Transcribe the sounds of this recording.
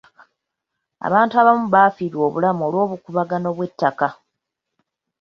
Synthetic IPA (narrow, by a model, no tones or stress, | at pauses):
a̰βaːntuaβamuβafiːɾwo̞ːβulamuo̞ːlwo̞ːβukuβaɡano̞βwe̞tːaka